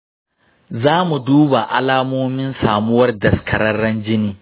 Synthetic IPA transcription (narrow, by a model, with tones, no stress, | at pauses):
zaː˦mu˨duː˦ba˨ʔa̰˦laː˦moː˦mɪ˦nsaː˨mʊ˦wɐ˦rdɐ˨skʰɐ˨ɾɐ˦ɽːɐ˦nd͡ʒɪ˦niː˦